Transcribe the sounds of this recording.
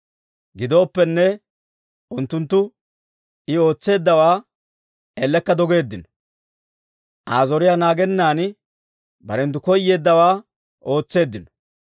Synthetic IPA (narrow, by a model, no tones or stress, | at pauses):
ɡɪd̪o̞ːpːɛnːɛ | ʔʊnt̪ːʊnt̪ːʊ | ɪo̞ːt͡sːe̞ːd̪ːɐwaː | elːɛkːɐd̪ɔɡe̞ːd̪ːɪnɔ | ʔaːzɔɾɪjaːnaːɡɛnːaːn | bɐɾɛnt̪̬ːʊkɔjːe̞ːd̪ːɐwaː | o̞ːt͡sːe̞ːd̪ːɪnɔ̥